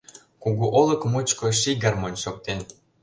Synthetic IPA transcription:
kuɣuʔolə̆kmut͡ɕkoʃiɡɑrmonʲʃok̚t̪en

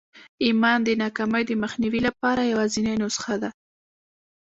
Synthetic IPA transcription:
imɑnd̪ənɑkamajd̪əməxniwilapɑɾajawɑzinajnʊsxad̪a

